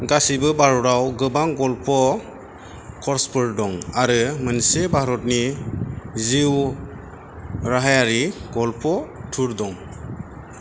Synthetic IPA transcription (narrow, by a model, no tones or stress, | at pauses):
ɡasibɯbaɾɔɾawɡɯbaŋɡɔlpʰɔ | kʰɔɾspʰɯɾdɔŋaɾɯmɯnsebʱaɾɔt̚ni | ziw | ɾaɦajaɾiɡɔlpʰɔtʰuɾdɔŋ